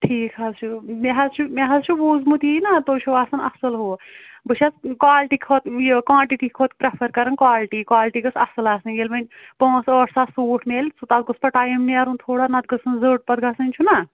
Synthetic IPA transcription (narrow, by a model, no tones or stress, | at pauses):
ʈʰiːkʰazt͡ʃʰumeɦɐzt͡ʃʰumeɦɐzt͡ʃʰubuːzmut̪inat̪oːt͡ʃʰuʋaːsɐnɐ̰sɐlɦoːbɨʃʰat͡skwaːlʈikʰot̪jekwãːʈiʈikʰoːt̪pɾepʰɐɾkɐɾɐnkwaːlʈikwaːlʈiɡɨsɐsɨlaːsninjelmɐnʲpɔ̃ːsəːʈʰsaːsuːʈʰmeːlʲsut̪aːt̪̚ɡuspɐʈajimniaɾunt̪ʰoːɽanɐt̪̚ɡɐsɨnzəːʈ̚pɐt̪ɡɐsɨnʲt͡ʃʰuna